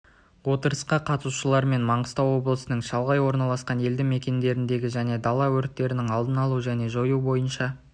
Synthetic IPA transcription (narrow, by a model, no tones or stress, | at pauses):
wo̞t̪əɾəsqɑqʰɑt̪əsuʃəlˠɑɾme̞nmɑɴəst̪ɑwo̞blˠəsənəɴʃɑlˠʁɑjwo̞ɾnɑlˠɑsqɑne̞ld̪ɪme̞kʲe̞nd̪e̞ɾɪnd̪e̞ɡʲɪʒæne̞d̪ɑlˠɑwɵɾt̪ːe̞ɾɪnɪŋɑlˠd̪ənɑlˠuʒæne̞ʒo̞jubo̞jənʃɑ